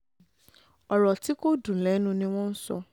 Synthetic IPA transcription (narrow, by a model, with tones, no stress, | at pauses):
ɔ˨ɾɔ˨ti˨˦ko˦dũ˨lɛ˨˦nũ˦nĩ˧w̃ɔ̃˦n̩˦sɔ̰˧